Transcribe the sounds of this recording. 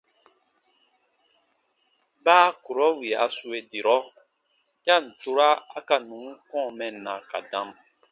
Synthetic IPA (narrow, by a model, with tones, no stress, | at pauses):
baː˦ku˨ɾɔ˦wi˨a̰˨˦su˦e˨di˨ɾɔ˦ | jã˦˨n̩˨tu˦ɾa˦a˦ka˨nũ˨˦ŋ˦kɔ̃ː˦˨mɛ˨nã˨ka̰˨dã˦m